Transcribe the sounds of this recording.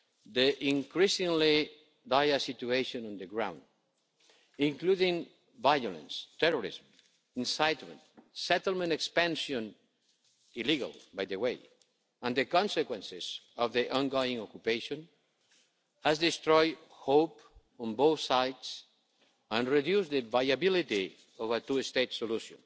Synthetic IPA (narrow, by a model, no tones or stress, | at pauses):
d̪iʔĩŋkɾisĩŋli | dajəsit̪ueʃõnɔ̃nd̪əɡɾã̰w̃nd̪ | ĩŋkluðĩŋ | vajolə̰̃nst̪ɛɹɔɾḭzm | ĩnsajt̪mə̰̃nt̪sɛt̪lmə̃ntekspãnʃõn | iliɡa̰lˠbajðəwej | ãnd̪əkɔ̃nsekwɛ̃nsɪz | ɔvðiʔɔ̃nɡoĩŋɔkjupeʃõn | hazd̪ist̪ɾɔjdhowp | ɔ̃nbowθsajds | ãnriðjusðəvajabilit̪i | ɔvat̪uest̪etsoluʃjõ̰n